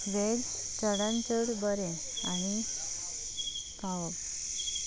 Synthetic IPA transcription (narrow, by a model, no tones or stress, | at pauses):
ʋed͡ʑ | t͡ɕəɽãnt͡ɕəɽbəɾẽ | añi | kaʋəp